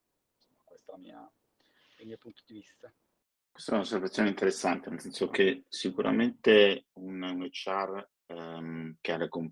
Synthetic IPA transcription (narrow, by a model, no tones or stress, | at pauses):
nsomːakwest̪alamḭa | lmiːopunt̪od̪ivist̪a | kwest̪aɛunosːervat̪ːjoːneint̪eɾesːant̪enelsɛnsok̟esikuɾʔa̰ment̪eunnet͡ʃːar | mk̟ealekom